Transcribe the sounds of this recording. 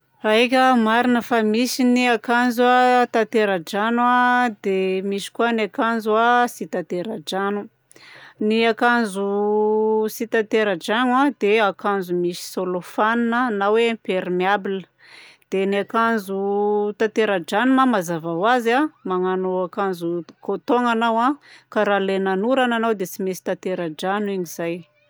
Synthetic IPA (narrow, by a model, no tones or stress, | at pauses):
aek̬ʲəmaɾinəfamisiniakanzuat̪at̪eɾad͡ʒanwad̪emisi̥kuanakanzuasit̪at̪eɾad͡ʒanu | niakanzu | sit̪at̪eɾad͡ʒanwad̪eakanzumisi̥solofaninənawẽpeɾimiabilə | d̪̥enakanzut̪at̪eɾad͡ʒanumamazavawazamaŋanoakanzukot̪oŋanawãkaɾalenanuɾananawd̪et͡simesi̥t̪at̪eɾad͡ʒaniɲiz̥aj